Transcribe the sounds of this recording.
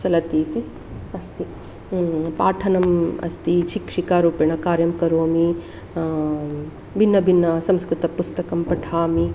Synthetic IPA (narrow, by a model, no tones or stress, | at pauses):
t͡ʃɐlɐt̪iːt̪i | ɐst̪i | paːʈʰɐnɐmɐ̰st̪iʃikʂikaːɾuːpɐɳɐkaːɾjɐmkɐɾoːmi | bʱinːɐbʱinːɐsɐ̃mskɾut̪ɐpust̪ɐkɐmpɐʈʰaːmi